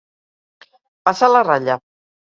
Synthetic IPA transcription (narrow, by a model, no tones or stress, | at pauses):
pasalaraʎa